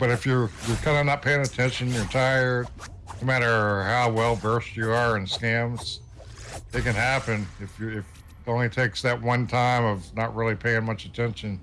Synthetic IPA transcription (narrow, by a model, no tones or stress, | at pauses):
b̥ʌɾɨfjə˞jə˞kʰãɪ̃ndɨnət̚pʰeɪɪ̃ŋɨtʰɛ̃nʃɨ̃njə˞tʰaɪə˞d̥̚ | noʊmæɾə˞haʊwɛlˠvɜ˞st͡ʃɨə˞ɨ̃nskæ̃mz̥ | ɨt̚kɨ̃nhæpɨ̃nɨfjə˞ɪf | õʊ̃nlitʰeɪksðɨt̚wʌ̃ntʰãɪ̃mʌvnət̚ɹɪlˠipʰeɪɪ̃ŋmʌt͡ʃɨtʰɛ̃nʃɨ̃n